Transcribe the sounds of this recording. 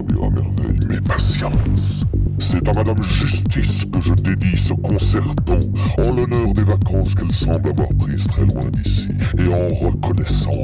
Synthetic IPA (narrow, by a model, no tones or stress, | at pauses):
bḭʁa̰mɛ̰ʁvɛ̰jmɛpasjɑ̃sː | ɛt̪amad̪amʒyst̪iskəʒəd̪ed̪isəkɔ̃sɛʁt̪ɑ̃ɑ̃lɔnœʁd̪evakɑ̃skɛlsɑ̃blavwaʁpχizt̪χɛlwɛ̰̃d̪isieɑ̃ʁəkɔnɛsɑ̰̃